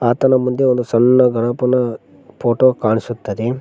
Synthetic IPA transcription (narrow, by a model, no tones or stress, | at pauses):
aːt̪ɐnɐmund̪eond̪usɐnːɐɡɐnɐpɐnɐ | pʰoːʈoːkaːɳisut̪ːɐd̪e